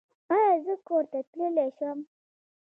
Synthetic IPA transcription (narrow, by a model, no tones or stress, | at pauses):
ajɑzəkoɾt̪at̪ləleʃam